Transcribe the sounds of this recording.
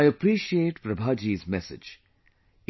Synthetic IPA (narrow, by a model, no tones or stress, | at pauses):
ɪəpɾiːʃieːʈpɾəbʱaːd͡ʒiːzmɛsɪ̰d͡ʒ